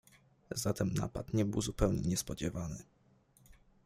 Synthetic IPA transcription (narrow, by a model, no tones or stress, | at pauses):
zat̪ɛmna̰pat̪ɲɛbɘwzupɛwɲɛɲɛspɔd͡ʑɛvanɘ̰